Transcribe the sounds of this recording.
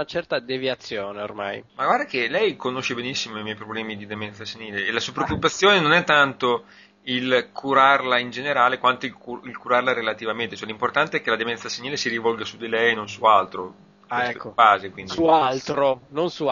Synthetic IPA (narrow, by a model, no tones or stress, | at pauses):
nat͡ʃɛrt̪ad̪eviat̪sːjoːneo̰rma̰jmaɡward̪ak̟elɛjkonoʃːebenisːimoimjɛjpɾoblɛːmid̪id̪emɛnt̪saseniːleːlasuapɾeokːupat̪sːjoːnenonɛt̪ːant̪o | ilkʰuɾarlaind͡ʒeneɾaːlekwant̪oilkuilkuɾarlaɾelat̪ivament̪et͡ʃoɛlimport̪ant̪eɛk̟ːelad̪emɛnt̪saseɲiːlesiɾivɔlɡasud̪ilɛjnonsualt̪ɾo | kesɛt̪kːoaːzekwindiualt̪ɾononsu